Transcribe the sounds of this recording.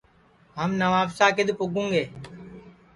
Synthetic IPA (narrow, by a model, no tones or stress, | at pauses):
ɦəmnəʋaːfsaːkɪd̪pʊɡũːŋɡeː